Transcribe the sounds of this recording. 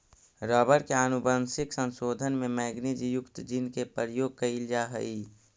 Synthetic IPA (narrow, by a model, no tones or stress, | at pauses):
ɾɔːbəɾkeaːnʊbənsɪksə̃nsoːd̪ʱənmẽmɛːɡnid͡ʒjʊkt̪d͡ʒɪnkepəɾjoːɡ̚kəild͡ʒaɦəi